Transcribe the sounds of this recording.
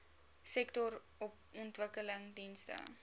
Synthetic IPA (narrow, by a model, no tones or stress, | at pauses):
sɛktɔɾ | ɔp̚ | ɔntvəkələŋdinstə̰